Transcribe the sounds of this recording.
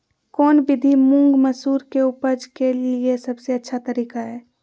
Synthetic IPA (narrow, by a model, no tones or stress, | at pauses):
kɔːnbɪd̪ʱimʊ̃ŋɡməsuːɾkeupəd͡ʒkeliesəbseətːʃʰat̪əɾiːkaɦɛː